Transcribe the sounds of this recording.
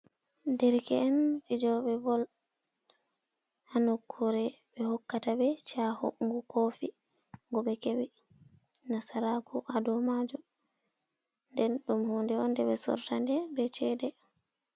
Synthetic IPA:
ndɛɾkɛ̰ːnid͡ʒɔɓɛbɔl | hanokʰːuɾɛ | bɛhɔkːatabɛt͡ʃahɔ̰ŋɡukofi | ŋɡɔɓɛkɛwɛ | nasaɾakɔʔadɔmad͡ʒɔ | ndɛnɗumhundɛɔndɛɓɛsɔ̰ɾtandɛbɛt͡ʃɛːdɛ

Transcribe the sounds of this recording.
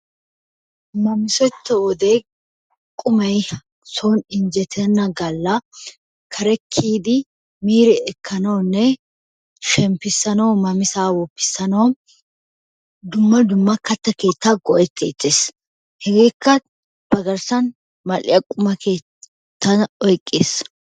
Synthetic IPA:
mɐmɪsɔt̪ːɐwɔd̪eː | kʼʊmɐj | sonɪnd͡ʒɛt̪ʰɛnːɐɡɐlːɐ | kʰɐɾɛkʰːiːd̪ɪ | miːɾɛɛkʰːɐnɐwnːɛ | ʃɛmpːɪsːɐnɐwmɐmɪsaːwɔpːɪ̥sːɐnɐw | d̪ʊmːɐd̪ʊmːɐkɐt̪ːɐke̞ːt̪ːaɡɔʔɛt̪ːḛːt̪ːeːs | hɛɡe̞ːkːɐ | b̥ɐɡɐɾsɐn | mɐlɪjɐkʼʊmɐke̞ː | t̪ʰːɐɔjkʼːeːs

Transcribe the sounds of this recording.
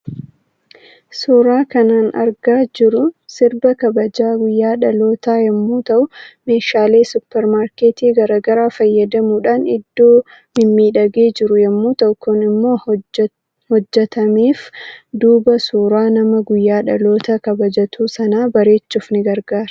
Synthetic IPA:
suːɾaːkɐnaːnɐ̰ɾɡaːd͡ʒɪɾʊsɪɾbɐkɐbɐd͡ʒaːɡʊjːaːᶑɐlo̞ːt̪aːjɐmːuːt̪ɐʔʊme̞ːʃaːle̞ːsʊpːɛɾmaːɾkeːt̪iːɡɐɾaːɡɐɾaːfɐjːɐd̪ɐmuːᶑaːnɪd̪ːo̞ː | mɪmːiːᶑɐɡe̞ːd͡ʒɪɾʊjɐmːuːt̪ɔkʰːoːnɪmːo̞ː | hɔd͡ʒːɛt̪ɐmiːfd̪uːbɐsuːɾaːnɐmɐɡʊjːaːᶑɐlo̞ːt̪ɐkɐbɐd͡ʒɐt̪ʰuːsɐnaːbɐɾe̞ːt͡ʃːʊfnɪɡɐɾɡaːɾɐ̥

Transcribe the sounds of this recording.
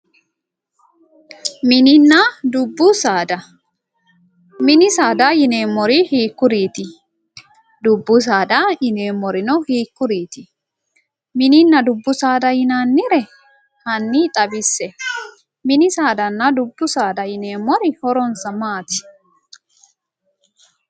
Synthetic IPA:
mɪnɪnːad̪ʊbːʊsaːd̪ɐ | mɪnɪsaːd̪ajɪneːmːɔɾɪhiːkːʊɾiːt̪ɪ | d̪ʊbːʊs̬aːd̪ajɪneːmːɔɾɪnɔhiːkːʊɾiːt̪ɪ | mɪnɪnːɐd̪ʊbːʊsaːd̪ɐjɪnaːnːɪɾɛ | hɐnːit̪ʼɐbɪsːɛ | mɪnɪsaːd̪ɐnːɐd̪ʊbːʊsaːd̪ɐjɪneːmːɔɾɪhɔɾɔnsɐmaːt̪ɪ̥

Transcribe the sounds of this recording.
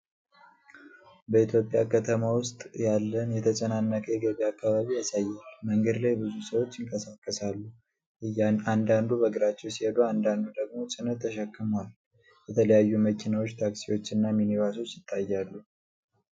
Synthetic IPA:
bəit̪ʰjo̞pʼjakʰət̪ʰəmawʊst̪ʼjalːənjɛt̪ʰət͡ʃʼənanːəkʰəjɛɡəβiakʰːaβaβiasajːalməŋɡəd̪lajbɨzusəwo̞t͡ʃːɪŋkʼəsakʼːəsalːu | ɨand̪and̪ubəɡɨɾat͡ʃːɛwsihed̪oand̪and̪ud̪əɡmo̞sʼɨnət̪ʰːəʃɛkːɨmal | jɛt̪ʰələjajːuməkʰinawot͡ʃːt̪ʰaksiwo̞t͡ʃːɨnːaminiβaso̞t͡ʃːjɪt̪ʼːajːalːu

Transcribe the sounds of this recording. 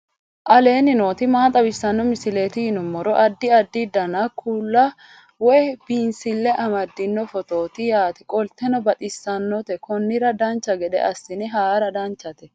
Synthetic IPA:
ʔɐle̞ːnɪno̞ːt̪ɪmaːt̪ʼɐbɪsːɐnːɔmɪsɪle̞ːt̪ɪɪnʊmːɔɾɔʔɐd̪ːɪɐd̪ːɪd̪ɐnɐkʰuːlːɐ | wɔjb̥iːnsɪlːɛʔɐmɐd̪ːɪnːɔfɔt̪o̞ːt̪ɪjaːt̪ɪkʼɔlt̪ɛnɔbɐt̪ʼɪsːɐnːɔt̪ɛkɔnːɪɾɐd̪ɐnt͡ʃːɐɡɛɗ̪ɛ̰ʔɐsːɪnɪɦaːɾɐd̪ɐnt͡ʃːɐt̪ɛ

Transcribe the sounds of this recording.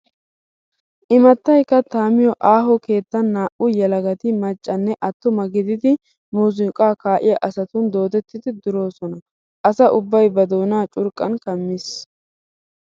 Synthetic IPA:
ʔɪmɐt̪ːɐjkːɐt̪aːmɪjɔʔaːɦɔke̞ːt̪ːɐnːaːʔʊjɛlɐɡɐt̪ɪmɐt͡ʃʼːɐnːɛʔɐt̪ːʊmɐɡɪd̪ɪd̪ɪ | muːz̬ɪkʼaːkaːʔɪjɐʔɐsɐt̪ʊnd̪o̞ːt̪ɛt̪ːɪd̪ɪd̪ʊɾo̞ːsɔnɐ | ʔɐsɐʔʊbːɐjbɐd̪oːnaːt͡ʃʼʊɾkʼɐnkɐmːɪs

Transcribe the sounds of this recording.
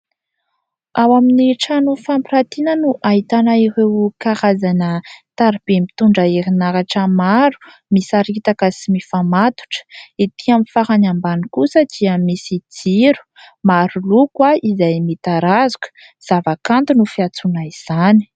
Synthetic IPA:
awaminiʈ͡ʂanufampiɾat̪inənuʔaɦit̪anaiɾewkaɾazanət̪aɾib̥emi̥t̪uɳɖ͡ʐəeɾinaɾaʈ͡ʂəmaɾu̥ | misaɾit̪akəsimifamat̪u̥ʈ͡ʂə̥it̪iamifaɾanambanikusəd̪̥iəmisid͡ziɾu̥ | maɾulukwaizajmit̪aɾazu̥kə̥ | z̥avakant̪unufiat͡sunaiz̥ani̥

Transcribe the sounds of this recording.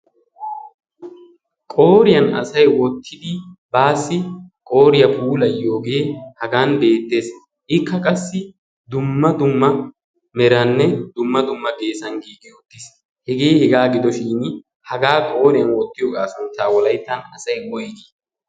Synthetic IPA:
kʼo̞ːɾɪjɐnɐ̰sɐjwɔt̪ʰːɪd̪ɪbaːsːɪkʼo̞ːɾɪjɐpuːlɐjo̞ːɡe̞ːhɐɡaːnbe̞ːt̪ːe̞ːs | ʔɪkːɐkʼɐsːɪ | d̪ʊmːɐd̪ʊmːɐ | mɛɾɐnːɛd̪ʊmːɐd̪ʊmːɐɡe̞ːsɐnɡiːɡɪʊt̪ːɪs | hɛɡe̞ːhɛɡaːɡɪd̪ɔʃiːn | hɐɡaːkʼo̞ːɾɪjɐnwɔt̪ːɪjɔɡʼaːsʊnt̪aːwɔlɐjt̪ːɐnɐsɐjwɔjɡ̪i

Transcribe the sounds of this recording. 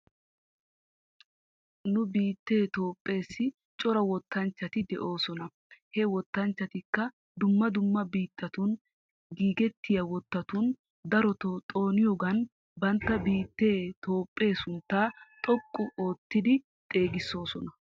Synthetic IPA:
nʊbiːt̪ːe̞ːt̪oːpʼːe̞ːsːɪ | t͡ʃʼɔɾɐwɔt̪ʰːɐnt͡ʃːɐt̪ɪd̪ɛʔo̞ːsɔnɐ | hɛwɔt̪ːɐnt͡ʃːɐt̪ɪkːɐ | d̪ʊmːɐd̪ʊmːɐbiːt̪ːɐt̪ʊn | ɡiːɡɛt̪ʰːɪjɐwɔt̪ːɐt̪ʊn | d̪ɐɾɔt̪ɔt̪ʼo̞ːnɪjɔɡɐn | bɐnt̪ːɐbiːt̪ːe̞ːt̪ʰo̞ːpʼːe̞ːsʊnt̪ːaːt̪ʼɔkʼːʊoːt̪ːɪd̪ɪ | t̪ʼe̞ːɡɪsːo̞ːsɔnɐ

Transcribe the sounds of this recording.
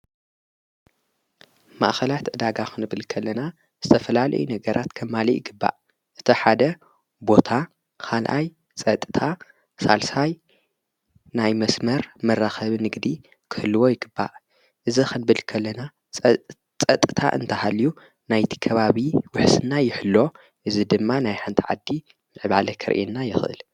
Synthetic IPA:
ma̰ʔxɐlat̪ʔɨd̪aɡaxɨnɨbɨlkʰɐlːɐna | z̥ɨt̪ʰɐfɐlalɐ̰junɐɡɐɾʔat̪kʰɐmːalijɪɡɨbːa̰ʔ | ʔɨt̪ʰiħad̪ɐ | bo̞t̪ʰa | kʰalʔa̰j | t͡sʼɐt̪ʼɨt̪ʰa | salsaj | najmɐsmɐɾmɐrːaxɐβnɨɡd̪i | kʰɨ̥hɨlːɨwojɪɡɨbːa̰ʔ | ʔɨzixɨnbɨlkʰɐlːɐna | t͡sʼɐt̪ʼɨt̪ʰa̰ʔɨ̰nt̪ʰɐhalju | najt̪ʰi̥kʰɐβaβiwʊħsɨnːajɪħɨlːo̞ | ʔɨzid̪ɨmːanajħant̪ʰiʕa̰d̪ːi | mɨʕβalɐkʰɐɾʔenːajɪxʔɨ̰l

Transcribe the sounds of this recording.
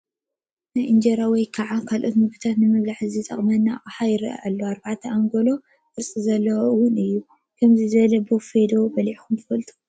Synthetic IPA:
najʔɨnd͡ʒɐɾawɔjkʰɐʕakʰalʔot̪mɨɡut̪ʰat̪nɨmɨβlaħɨzit̪ʼɐ̰χʼmɐnːaχʼħajɪɾɐ̰ʔʔa̰lːoaɾbaʕt̪ʰɐʔaŋɡolo̞ | kɨɾsʼizɐlːɐwʊnɨjːu | kʰɐmzizɨβɐlɐbɨfed̪obɐliʕxumt̪ʰɨfɐlt̪ʼu̥

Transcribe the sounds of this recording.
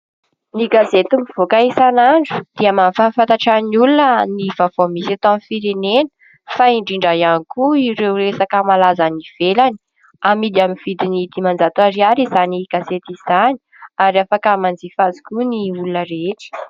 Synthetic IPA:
niɡazet̪umiv̥okaisanaɳɖ͡ʐu̥d̪̥iamanfafant̪aʈ͡ʂanulunənivav̥omisat̪oamfiɾenenə̥ | faiɳɖ͡ʐiɳɖ͡ʐajanikuiɾewɾesakəmalazaniv̥elani̥ | amid̪iaminv̥id̪inid̪imand͡zat̪uaɾiaɾizaniɡ̥azet̪iz̥ani̥ | aɾiafakamand͡zifazi̥kuniulunəɾeʈ͡ʂi̥

